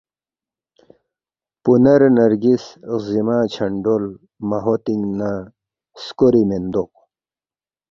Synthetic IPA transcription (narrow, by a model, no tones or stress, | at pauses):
punɐɾnɐɾɡiszimaːt͡ɕʰɐɳɖol | mɐɦot̪iŋɡna | skoɾimend̪oq̚